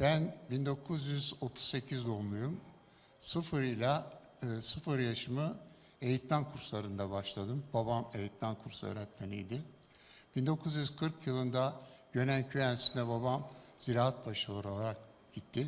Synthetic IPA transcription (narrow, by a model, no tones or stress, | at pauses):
b̥ænbind̪o̞kʰuzjyzot̪ʰu̥sse̞cʰizd̪olmˠujum | sɯfɯɾɯjlʲˠaː | sɯfɯɾjaʃɯmɯ | e̞jit̪mænkʰuɾslˠaɾɯnd̪abaʃlˠad̪ɯmbabame̞jit̪mænkʰuɾsuø̰ːɾɛt̪menlʲijd̪ɪ | b̥ind̪o̞kʰuzjyz̥kʰɯɾkʰjɯlˠɯnd̪aɟ̥ø̞næncʰyænsinɛbabamz̥iɾaːat̪̚baʃɯoɾolˠaɾak | ɟit̪ʰːɪ